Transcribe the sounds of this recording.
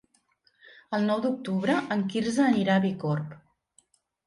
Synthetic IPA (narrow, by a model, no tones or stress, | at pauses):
əlˠnɔwd̪uk̚t̪uβɾəʔəŋkiɾzəːniɾaβikɔrp